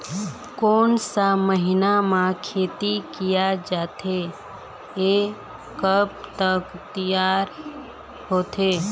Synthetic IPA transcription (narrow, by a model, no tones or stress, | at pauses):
koːnsaməɦɪnamãkʰeːt̪ikijad͡ʒaːt̪e | e | kəpt̪əkt̪ijaːɾ | hoːt̪eː